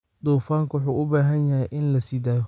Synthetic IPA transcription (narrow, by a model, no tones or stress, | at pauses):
d̪uːfaːŋkʰwʊħuːʔʊbaːɦɐnjɐɦɛjʔɪnlɐsiːd̪aːjɔ